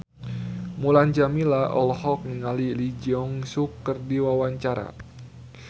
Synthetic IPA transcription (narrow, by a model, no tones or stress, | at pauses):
muland͡ʒamilaɔ̰lhɔk̚niŋalilid͡ʒiɔŋsukːərdiwawaɲt͡ʃaɾa̰